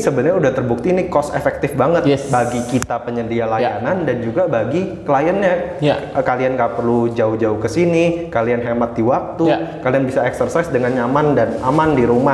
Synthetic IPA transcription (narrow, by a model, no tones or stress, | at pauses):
səbənəɾrɲaudaht̪ərbuk̚t̪iːnikɔsefɛk̚t̪ɪfbaŋət̪baɡikit̪apəɲəndialajanandand͡ʒuɡabaɡikəlajanɲaʔəkalianɡapərlud͡ʒaʊhd͡ʒaʊhkəsinikalianɦemat̪̚diwak̚t̪ukalianbisaɛksərsajsdəŋanɲamandanamandiɾuma